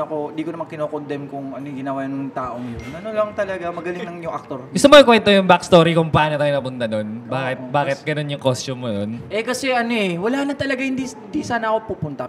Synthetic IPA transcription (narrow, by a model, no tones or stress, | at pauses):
ɐkond̪iːkonɐmaŋkɪnokond̪ɛmkʊŋɐnoɡɪnɐwajnŋt̪aːʔoŋjonɐnolɐŋt̪ɐlɐɡamɐɡɐlɪŋnɐŋjʊŋɐk̚t̪oɾʔɪsɐmoɪkwɛnt̪ojʊŋbakst̪oːɾikʊŋpɐaːnot̪aːjnɐpʊnt̪ɐno̞nbaːkɪt̪̚baːkɪt̪̚ɡɐno̞njʊŋkost͡ʃʊmːononʔɛkɐsɛʔɐnoʔɛwɐlanɐt̪ɐlɐɡahɪnd̪iɪnd̪isaːnɐʔɐkopuːpʊnt̪ɐ